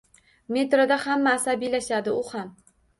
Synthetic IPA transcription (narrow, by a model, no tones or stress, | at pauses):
me̞t̪ɾad̪ahamːaːsabilaʃad̪ɪʊham